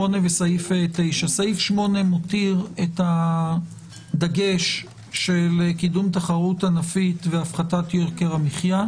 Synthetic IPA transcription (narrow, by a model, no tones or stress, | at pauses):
one̞vesaifetejʃasaifʃmo̞ne̞motiʁeta | daɡe̞ʃ | ʃelkidumtaχaʁuthanafitveafχatatjokeʁamiχja